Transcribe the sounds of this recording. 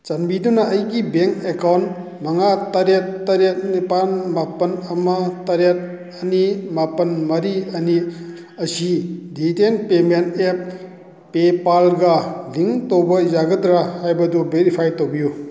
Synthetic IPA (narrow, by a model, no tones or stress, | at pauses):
t͡ʃɐnbidunɐːjɡibeŋkekawnt | mɐŋatɐɾetːɐɾet̚nipanmapɐnɐmɐtɐɾet̚ | ɐnimapɐnmɐɾiɐni | ɐsiditenpementepː | epalɡɐliŋtowbɐzaɡɐdɾahajbɐdubeɾipʰajtowbiju